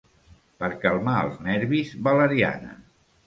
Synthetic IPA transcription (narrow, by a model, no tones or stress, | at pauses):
pəɾkalˠmaə̰lˠznɛɾβizβələɾia̰nə̰